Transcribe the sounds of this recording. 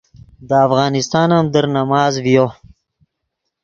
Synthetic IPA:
d̪əafɣɑːnɪst̪ɑːnamd̪əɾnamɑːzvjo

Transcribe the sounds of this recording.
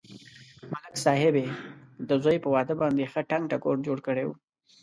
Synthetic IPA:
malɪksɑɦɪbed̪əzojpəwɑd̪əbɑnd̪exəʈaŋɡ̚ʈakoɽd͡ʒoɽkəɽewṵ

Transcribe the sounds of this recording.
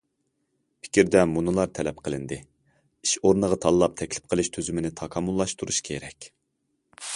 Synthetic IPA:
pʰɪ̥kʲiɾd̪ɛmunɨlˠɑɾt̪ʰɛlɛp̚qʰəlˠɨnd̪ɨ | iʃoɾnəʁɑt̪ʰɑlˠlˠɑp̚t̪ʰɛkʲlɪ̥p̚qʰəlˠɪʃt̪ʰøzymɪnɪt̪ʰɑkʰɑmːulˠːɑʃt̪ʰuɾuʃkʲʰḛɾɛkʲ

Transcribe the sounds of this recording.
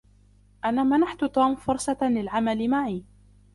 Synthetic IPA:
ʔanaːmanaħt̪ʊt̪uːmfʊɾˤsˤɑlɪlʕamalɪmaʕiː

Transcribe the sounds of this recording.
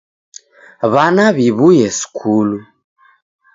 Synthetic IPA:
βanaβiβujɛskʰulu

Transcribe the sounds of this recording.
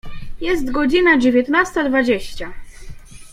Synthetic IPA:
jɛst̪ɡɔd͡ʑinad͡ʑevʲjɛt̪nast̪ad̪vad͡ʑeɕt͡ɕa

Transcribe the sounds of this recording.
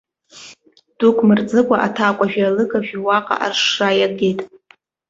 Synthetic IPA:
d̥ukʷʰʼmɨrt͡sʼɨkʷʼaʔatʰakʷʼaʒᶣalɨɡʼaʒᶣiwaqʼa̰ʔa̰rʂrajaɡe̞jtʼ

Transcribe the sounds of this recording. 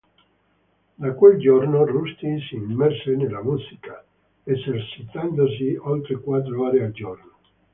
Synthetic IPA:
d̪akweld͡ʒornorust̪isiːmːɛɾsenelamusika | esert͡ʃit̪and̪os̬iolt̪ɾekwad̪ɾoaɾeald͡ʒorno

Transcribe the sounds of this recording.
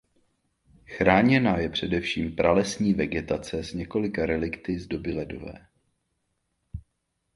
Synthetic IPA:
xɾaːɲɛnajɛpr̝̥ɛdɛfʃiːmpɾalɛsɲiːvɛɡɛt̪at͡sɛzɲɛko̞lɪkaɾɛlɪkt̪ɪzdo̞bɪlɛdo̞̰vɛ̰ː

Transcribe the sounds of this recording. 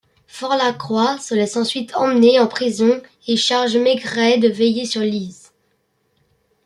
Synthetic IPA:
fɔʁlakχwasəlɛsɑ̃sɥit̪ʰɑ̃mneɑ̃pχizɔ̃ | eʃaʁʒmɛɡʁɛd̪əvɛjesyʁliz

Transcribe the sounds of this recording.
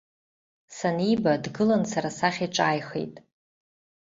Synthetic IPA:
sanibadɡɨlansaɾasaχʲiʈ͡ʂʷʼaːjχḛjtʼ

